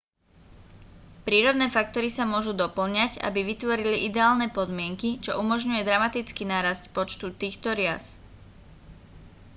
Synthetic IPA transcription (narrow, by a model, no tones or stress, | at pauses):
pɾiːɾɔd̪nɛːfak̚t̪ɔɾisamʊɔʒud̪ɔpl̩ɲaɟa̰biʋit̪ʋɔɾiliʔid̪ɛaːlnɛːpɔd̪mɪɛŋkit͡ʃɔʔumɔʒɲujɛd̪ɾamat̪it͡skinaːɾascpɔt͡ʃt̪ut̪iːxt̪ɔɾɪas